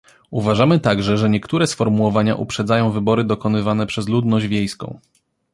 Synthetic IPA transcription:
uvaʐamɘt̪aɡʐɛʐɛɲɛkt̪uɾɛsfɔɾmuwɔvaɲa̰ʔṵpʂɛd̪zajɔ̃w̃vɘbɔɾɘd̪ɔkɔnɘvanɛpʂɛzlud̪nɔʑd͡ʑvʲjejskɔ̰̃w̃

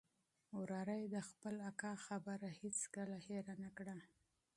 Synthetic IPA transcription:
wɾɑɾajd̪əxpəlakɑxabaɾahet͡skəlaheɾanakɽa

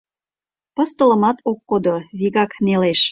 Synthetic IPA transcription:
pɤ̆st̪ə̆lə̆mɑt̪okːod̪oβiɣɑkneleʃ

